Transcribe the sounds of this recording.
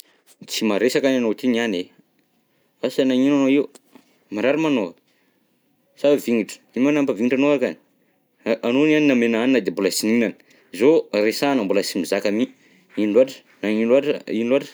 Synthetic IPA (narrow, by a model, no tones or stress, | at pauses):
t͡simaɾesakananot̪iɲiane | asanaɲinanoiu | maɾaɾimano | saviŋiʈ͡ʂə̥imanampaviŋiʈ͡ʂanoakan | ʔanonaninamenaninad̪embolasininanə̥ | zoresanambulasimizakami | inluaʈ͡ʂə̥ | naɲiluaʈ͡ʂiluaʈ͡ʂə̥